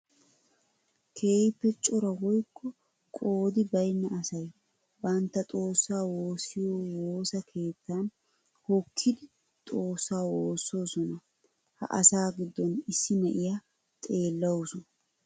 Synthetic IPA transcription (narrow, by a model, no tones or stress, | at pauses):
kʰe̞ːjɪpːɛt͡ʃʼʊɾɐwɔjkːɔ | kʼo̞ːd̪ɪbɐjnːɐɐsɐj | bɐnt̪ːɐt̪ʼo̞ːsːaːwoːsɪjoːwoːsɐkʰe̞ːt̪ːan | hɔkʰːɪd̪ɪ | t̪ʼo̞ːsːaːwoːsːo̞ːsɔnɐ | hɐ̰ʔɐ̰saːɡɪd̪ːɔnɪsːɪmɛʔɪja | t̪ʼe̞ːlːɐwsɔnɐ